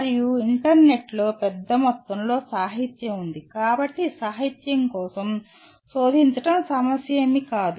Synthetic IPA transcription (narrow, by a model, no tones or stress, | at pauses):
ɾijuiɳʈɐɾne̞ʈlo̞ːpɛd̪ːɐmɔt̪ːɐmlo̞ːsaːɦit̪jɐmund̪ikaːbɐʈːisaːɦit̪jɐŋkɔːsɐm | so̞ːd̪ʱiɲt͡ʃɐʈɐmsɐmɐsjeːmikaːd̪u